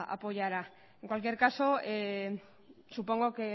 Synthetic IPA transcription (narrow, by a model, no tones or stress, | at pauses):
ʔa̰po̞ʝaɾa | e̞ŋkwalk̬je̞ɾkaso̞e | supo̞ŋɡo̞ke̞